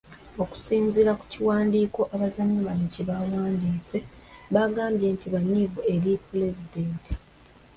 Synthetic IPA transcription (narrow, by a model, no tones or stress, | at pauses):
o̞ku̥siːnziɾaku̥ciwaːndiːko̞ʔaβazanːaβanociβawaːndiːse̞βaɡaːmbje̞ːntiβaɲːivue̞ɾipuɾe̞zidenti̥